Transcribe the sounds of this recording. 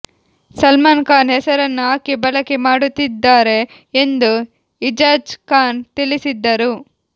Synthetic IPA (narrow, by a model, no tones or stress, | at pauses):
sɐlmaːnkaːnɦɛsɐɾɐnːuɦaːkibɐlɐkemaːɽut̪ːid̪ːaːɾe̞ː | nd̪u | id͡ʒaːd͡ʒkaːnt̪ilisid̪ːɐɾu